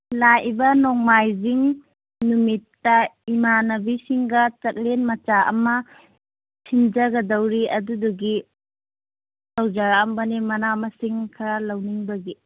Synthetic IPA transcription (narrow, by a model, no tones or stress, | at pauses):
lajibɐnɔŋmajziŋ | numitːɐimanɐbisiŋɡɐt͡ʃɐk̚lenmɐt͡ʃaʔɐ̰mɐ | sʰind͡ʒɐɡɐdɐwɾiɐduduɡi | sawd͡ʒaɾambɐnimɐnamɐsiŋkʰɐɾalɐwniŋbɐɡi